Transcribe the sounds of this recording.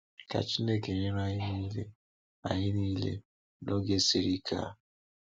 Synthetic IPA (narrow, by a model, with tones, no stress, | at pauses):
ka̰˨t͡ʃi˦ne˦ke˨ɲɪ˦ɾa˦ɲɪ˦ni˦lḛ˦ | a˨ɲɪ˦niː˦lḛ˦ | nʔo˦ɡe˦si˦ɾi˦kʰa̰˦˨